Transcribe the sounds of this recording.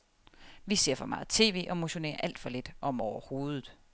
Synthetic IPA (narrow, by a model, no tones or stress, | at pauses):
ʋise̝ɐ̰fɒ̽mɑ̈ːð̩ˠt͡sʰe̝̰ːʋe̝̰ːɒ̽mo̝ɕo̝ne̝̰ːɐʔæl̰d̥fɒ̽le̝d̥ʔɒ̽m̰ɒʊɐho̝̰ːð̞ˠð̩ˠ